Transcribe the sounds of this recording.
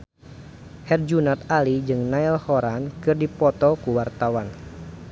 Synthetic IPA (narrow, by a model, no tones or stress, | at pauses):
hɛrd͡ʒunat̪alid͡ʒɨŋnailhɔɾankɨrdipɔt̪ɔkuwart̪awan